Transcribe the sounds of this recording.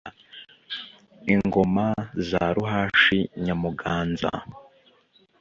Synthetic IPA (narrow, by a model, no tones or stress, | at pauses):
iŋŋɡomazaɾuɦaːʃiɲamuɡaːnza̰